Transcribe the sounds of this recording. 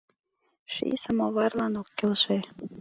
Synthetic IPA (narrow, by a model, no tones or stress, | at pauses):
ʃḭsəmoβɑrlɑnokːelʃe